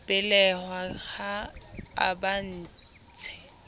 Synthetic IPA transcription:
pʼɪlɛhwaχaa̰ban̩ː | t͡sʰɛ̥

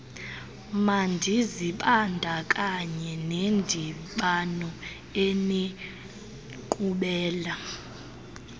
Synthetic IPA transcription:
mandʱiziɓandʱakʼaɲɛnendʱiɓanɔ | eni | kʼuɓɛːla

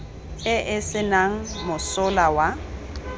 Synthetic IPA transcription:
ɪʔɪsɪnaŋ̩mʊsʊlawa

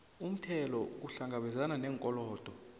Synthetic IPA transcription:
um̩tʰɛlɔk̬uɬaŋɡʱaɓɛzananɛːŋkʼɔlɔːd̥ʱɔ

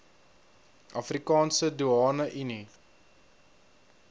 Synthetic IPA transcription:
ʔɐfrikɑːnsəduɑːnəʔini

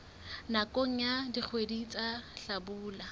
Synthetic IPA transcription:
nakʼoŋ̩jadik͡xʰwedit͡sʼaɬabuːla

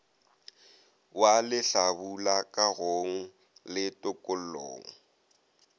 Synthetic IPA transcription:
walɪɬabulakʼaɣoŋ̩ | lɪtʼʊkʼʊl̩o̰ːŋ̩

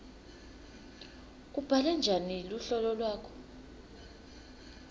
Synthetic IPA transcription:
k̬ub̥ʱalɛnd͡ʒʱaniluɬɔlɔlwaːkʰɔ̥

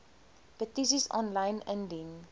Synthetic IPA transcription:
pətis̬isɔ̰̃nlãjnɛ̃ndiŋ

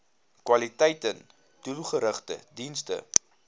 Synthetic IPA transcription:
kwɐlitɛjtən | tulˠχəɾəχtə̰dinstə̰

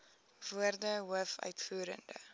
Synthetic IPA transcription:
vuərdəɦuəfœ̰ɥtfuːɾə̰ndə̰

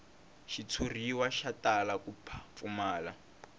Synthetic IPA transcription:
ʃit͡sʰuriwaʃatʼalakupʰḁfumaːla

